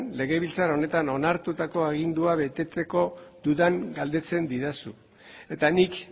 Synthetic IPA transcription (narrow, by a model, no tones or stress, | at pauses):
nle̞ɣ̞e̞βilt͡saɾo̞ne̞t̪ano̞naɾt̪ut̪ako̞aɣ̞ind̪uaβe̞t̪e̞t͡se̞ko̞d̪uðaŋɡald̪e̞t͡se̞nd̪iðasu | e̞t̪anik